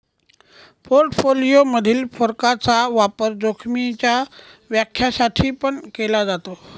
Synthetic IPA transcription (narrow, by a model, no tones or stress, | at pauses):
poɾʈfolijoməd̪ʱiːlfoɾkat͡saʋapəɾd͡zokʰmit͡ɕja | ʋjakʰːjasaʈʰiːpəɳkelad͡zat̪o